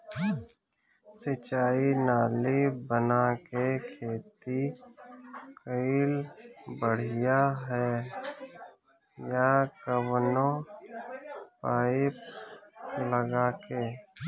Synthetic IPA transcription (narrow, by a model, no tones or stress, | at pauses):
sɪt͡ʃaːinaːlibənakekʰeːt̪i | kəilbəɽ̤ɪjaɦɛː | jakəwnõ | paːɪp | ləɡaːke